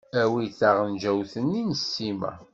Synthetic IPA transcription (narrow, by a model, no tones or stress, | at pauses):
æwiθaʁənd͡ʒæwθənːinəsːimæ̰